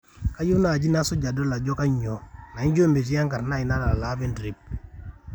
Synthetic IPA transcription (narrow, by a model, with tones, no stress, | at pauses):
ka˦ju˦na˦˨d͡ʒi˦na˦sɔ˦d͡ʒa˨dɔ˦la˨d͡ʒɔ˦ka˦ɲɔ˨na˨i˦nd͡ʒo˦˨mbe˨ti˦ja˦ŋɡa˨ɾna˦i˨na˦la˨la˨˦bɛ˦ndɾi˨p̚